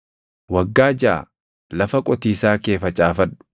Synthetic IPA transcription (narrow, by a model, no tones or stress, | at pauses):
wɐɡːaːd͡ʒaʔa̰ | lɐfɐkʼɔt̪iːsaːke̞ːfɐt͡ʃʼaːfɐᶑːʊ̥